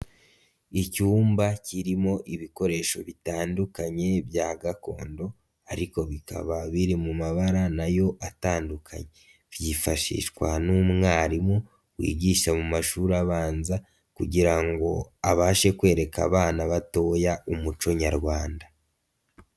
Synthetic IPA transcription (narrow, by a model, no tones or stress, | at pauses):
icuːmbaciɾimo̞ʔiβiko̞ɾe̞ʃo̞βitaːndukaɲe̞bjaːɡako̞̰ːndo̞ | aɾiko̞βika̰βaβiɾimumaβaɾanajo̞ʔataːndukʰa̰ɲe̞ | vjifaʃḭʃkwanumŋaːɾimu | wḭːɟiʃamumaʃuɾaβaːnza | kuɟiɾaŋɡo̞aβaʃe̞kwe̞ːɾe̞ka̰βaːnaβato̞ːjaumut͡ʃo̞ɲaɾɡwaːnda